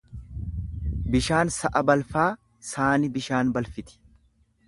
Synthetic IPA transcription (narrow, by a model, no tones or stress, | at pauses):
bɪʃaːnsɐʔɐbɐlfaː | saːnɪbɪʃaːnbɐlfɪt̪ɪ̥